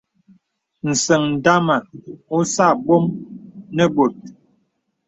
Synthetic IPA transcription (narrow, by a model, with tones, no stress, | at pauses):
n̩˨sə˨ŋn̩˨da˦ma˨o˦sa˦˨ɓo˦mnə˦bo˨t̚